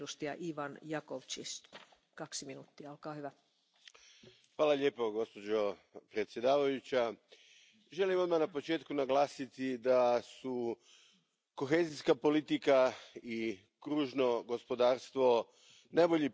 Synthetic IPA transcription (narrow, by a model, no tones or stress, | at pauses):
ust̪ijɑ̰ʔiʋɑnjɑkoʋt͡ʃḭs | kɑksiminuːt̪ːiɑolkɑːhyʋæ | xʋaːlaʎeːpo̞ɡo̞spo̞d͡ʑo̞pɾet̪sje̞d̪aːʋajut͡ɕa | ʒe̞limʋamanapo̞t͡ʃeːt̪kunaɡlˠaːsit̪id̪asu | ko̞xe̞ːziskapo̞lit̪ikai | kɾuːʒno̞ɡo̞spo̞d̪aːɾst̪ʋo̞ | najbo̞ʎi